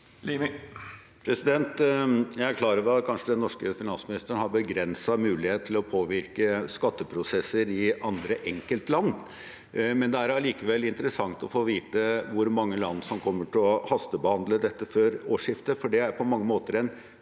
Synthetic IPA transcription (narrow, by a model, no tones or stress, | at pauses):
li | pʰɾɛsɪd̪ɛnt̪jæɪæɾkʰlɑːɾəɾʋɛɑt̪kʰɑnʂəd̪ɛnːɔʂkəfɪnɑnsmɪnɪst̪əɳhɑɾbəɡɾɛnsɑmʉːlɪheːt̪t̪ʰːɪlɔpʰoːʋɪɾkəskɑt̪ːəpʰɾʊsɛsːəɾɪɑnd̪ɾəʔɛŋkəlt̪lɑnː | mɛnd̪ɛæɾɑliːkəʋɛlɪnt̪əɾəsɑŋt̪ɔfoːʋiːt̪əʋʊɾmɑŋːəlɑnːsɔmkʰɔmːəʈʰɪlɔhɑst̪əbəhɑnd̪ləd̪ɛt̪ːəføːɾoːʂɪft̪əfɔɖɛæɾpʰɔmɑŋːəmoːt̪əɾɛn